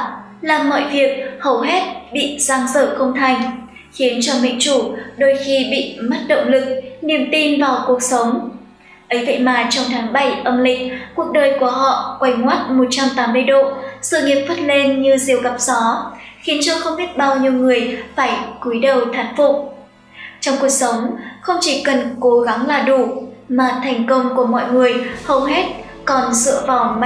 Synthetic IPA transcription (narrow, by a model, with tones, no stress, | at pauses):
laː˨˩mɔ̰˧˨jvi˨˩ək̚hə˨˩wɦɛ˦˥t̚ɓḭ˧˨zaː˧ŋzə̰ː˧˨kə˧wŋ͡mt̪ʰa˨˩jŋ̟ | xi˨˦ənt͡ɕɔ˧mḭ˧˨ŋt͡ɕu˧˩ɗo˧jxi˧ɓḭ˧˨ma˦˥t̚ɗə̰˧˨wŋ͡mlɨ˨˩k̚ni˨˩əmt̪i˧nvaː˨˩wku˨˩ək̚sə˨˦wŋ͡m | ʔə˨˦jvə̰˧˨jmaː˨˩t͡ɕɔ˧wŋ͡mt̪ʰaː˨˦ŋɓa˧˩jʔə˧mlḭ̈˧˨ŋ̟ku˨˩ək̚ɗəː˨˩jku˧˩əɦɔ̰˧˨kwa˧˩jŋwaː˦˥t̚mo˨˩t̚t͡ɕa˧mt̪aː˨˦mːɨ˧ə˧jɗo̰˧˨sɨ̰˧˨ŋi˨əp̚fə˦˥t̚le˧nɲɨ˧zi˨əwɣa˨˩p̚z̥ɔ˨˦ | xi˨˦nt͡ɕɔ˧xə˧wŋ͡mhe˦˥t̚ɓaː˧wɲi˧əwŋɨ˨˩əjfaː˧˩jku˨˩˦jɗə˨˩wt̪ʰaː˨˩nfʊ̰˧˨k͡p̚ | t͡ɕɔ˧wŋ͡mku˨˩ək̚sə˨˦wŋ͡mxə˧wŋ͡mt͡ɕi˧˩kə˨˩nko˨˦ɣa˨˦ŋlaː˨˩ɗu˧˩maː˨˩t̪ʰɛ˨˩jŋ̟kə˧wŋ͡mku˧˩əmɔ̰˧˨jŋɨ˨˩əjhə˧wɦe˦˥t̚ | kɔ˨˩nzɨ̰˧˨əvaː˨˩wma˧